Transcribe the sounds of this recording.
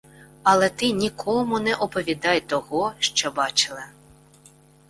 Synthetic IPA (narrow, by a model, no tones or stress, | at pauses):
ɐlˠɛt̪ɪnʲikʰɔmʊnɛʔɔpɔʋʲid̪ɑjt̪ɔɣɔʃt͡ʃɔbɑt͡ʃɪlˠɐ